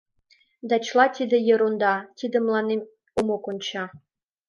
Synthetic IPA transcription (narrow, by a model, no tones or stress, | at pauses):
d̪ɑt͡ɕlˠɑt̪ʲid̪ĕjɤ̆ɾond̪ɑt̪ʲid̪ə̆mlˠɑne | omokonʲt͡ɕɑ